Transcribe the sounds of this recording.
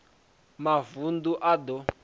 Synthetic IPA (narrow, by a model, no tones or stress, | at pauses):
mavunduʔad̪ɔ